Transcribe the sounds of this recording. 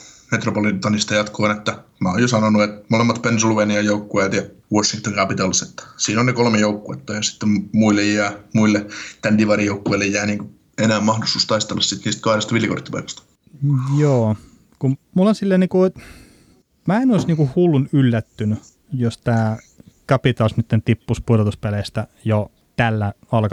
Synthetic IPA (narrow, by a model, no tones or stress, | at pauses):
met̪ropolit̪ɑnist̪ɑjɑt̪kʰoːnet̪ːæmæojosɑnonuet̪molemːɑt̪pensiluʋeːniɑjoukːueːt̪jɑʋosːiŋkt̪oŋkæpit̪ɑliset̪ːæ̥siːnonekolmejoukːuet̪ːɑjɑsi̥t̪ːemmuilːejjæːmuilːet̪ænd̥̪iʋɑɾijoukːoilːejjæːniːŋku | enæːmɑhdost̪uːst̪ɑist̪elːɑssit̪niːst̪̚kɑhɾest̪ɑʋiljɑko̰rt̪ːipɑikɑ̥st̪ɑ̥ | joː | kummulːɑnsilːæniːkuo | mæenoisniːŋkuhulːunylːæt̪ːyny | jost̪æː | kɑpit̪ɑlsnyt̪ːent̪ipːuspurot̪uspæleːst̪æjo | t̪ælːæ | ɑlk